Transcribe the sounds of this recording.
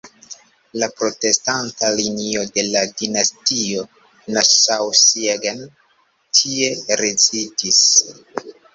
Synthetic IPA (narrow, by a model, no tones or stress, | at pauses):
lapɾo̞te̞stantalinio̞de̞ladinastio̞ | nasawsieɡan | tʰie̞ɾezitis